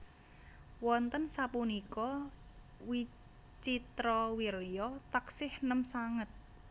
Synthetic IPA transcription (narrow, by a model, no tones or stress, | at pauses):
wɔnt̪ənsapunikɔ | wi | t͡ʃit̪ɾɔwiɾjɔt̪aksɪhnəmsaŋət̪̚